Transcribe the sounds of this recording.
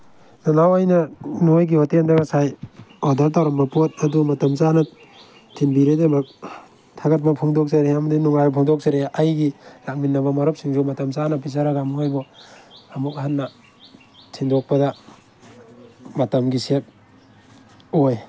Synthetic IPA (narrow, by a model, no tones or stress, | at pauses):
nanawajnɐnojɡiotendaɡɐsajodɐɾt̬awɾɐmbɐpot̚ɐdumɐtɐmzanɐ | tʰinbiɾedemɐk̚ | tʰaɡɐt̚bɐpʰuŋdok̚sɐɾeamɐdinuŋajpʰɔŋdɔk̚saɾeajɡilak̚minːɐβɐmɐɾɔp̚siŋsumɐtɐmzanɐpizaɾɐɡamuajbɔ | ɐmuk̚ɦatːɐ | tʰindok̚pɐdɐ | mɐtɐmɡisep̚ | oj